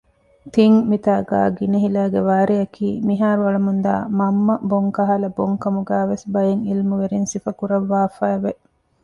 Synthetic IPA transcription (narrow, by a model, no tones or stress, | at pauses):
t̪iŋmit̪aːɡa̰ːɡiniɦilæːɡeʋaːɾijɐkʰiːmiɦaːɾuɐɭɐmund̪a̰ːmɐmːɐboŋkɐɦalɐboŋkɐmuɡæːʋesbɐjeŋilmuʋeɾinsifɐkuɾɐʋːaːfæːʋe